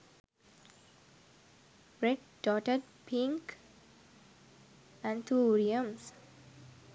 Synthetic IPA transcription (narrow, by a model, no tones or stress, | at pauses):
bɾeʈ̚ | ɖɔʈəɖ̚ | pʰĩŋk | æ̃ɳt̪ʰuɾiə̃ms